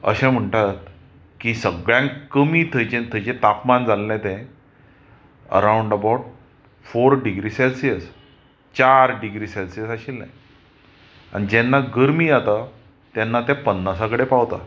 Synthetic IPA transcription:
ə̰ɕɛ̃m̤əɳʈat̪ | kisəɡɭjãkəmiːt̪ʰəjt͡ɕẽt̪ʰət͡ɕẽt̪apmand͡zalːɛ̃t̪ɛ̃ | ə̰ɾawɳɖəbawʈ̚ | foɾɖiɡɾisɛlsiəs | t͡ɕaɾɖiɡɾiːselsijəsaɕilːa̰ | a̰ɽ̃id͡ʑɛ̃nːaɡəɾmiat̪a | t̪ɛnːat̪ɛ̃pənːasakəɽepawt̪a̰

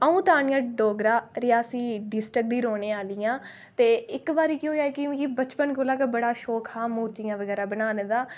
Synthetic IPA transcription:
əũːt̪aːɳɪjãːɖoːɡɾaːɾɪjaːsiːɖɪsʈɾək̚d̪iːɾoːneːaːlɪjãː | t̪eːɪkbaːɾiːkɪɦoːjaːeːkɪ̃kibət͡ʃpənkolaːkebəɽaːʃɔːkʰaːmuːɾt̪ijãːʋəɡɛːɾaːbənaːneːd̪aː

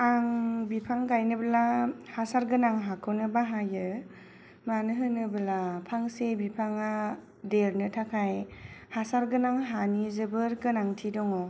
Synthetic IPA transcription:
aŋbipʰaŋɡajnɯbəlahasaɾɡɯnaŋɦakʰɯwnɯbaɦajɯ | manɯɦɯnɯbɯlapʰaŋsebipʰaŋa | deɾnɯtʰakʰajhasaɾɡɯnaŋɦanizɯbɯɾɡɯnaŋtʰidɔŋɔ

